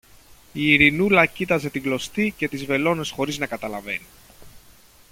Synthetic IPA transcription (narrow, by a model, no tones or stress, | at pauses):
iːɾinulɐcit̪ɐze̞t̪iɡlo̞st̪ice̞t̪izve̞lo̞ne̞sxo̞ɾiznɐkɐt̪ɐlɐve̞̰ni